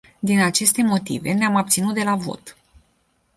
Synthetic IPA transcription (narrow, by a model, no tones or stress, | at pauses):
d̪inat͡ʃe̞st̪e̞mo̞t̪ḭve̞neamab̚t̪sinut̪̚d̪e̞lavo̞̰t̪